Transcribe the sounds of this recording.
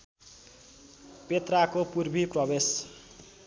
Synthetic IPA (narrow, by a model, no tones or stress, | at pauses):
pet̪rakopurbʱiprʌbes